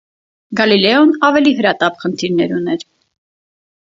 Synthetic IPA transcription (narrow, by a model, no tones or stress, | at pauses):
ɡɑlilɛɔnɑvɛliɦəɾɑt̪ɑpχənt̪ʰiɾnɛɾunɛɾ